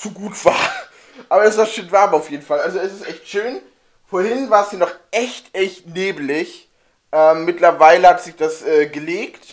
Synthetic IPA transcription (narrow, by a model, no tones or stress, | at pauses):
t͡suɡuːtv̥aːɐ | ʔaːbɐɛsv̥aːɐʃoːnvaɐmaʊfjeːdn̩falʔalzoɛsɪstʔɛçtʃøːn | foːɐhɪnvaːɐsiːɐnɔχʔɛçtʔɛçtneːblɪç | ʔɛːmːɪtlɐvaɪləhatz̥ɪçd̥asʔɛːɡəleːkt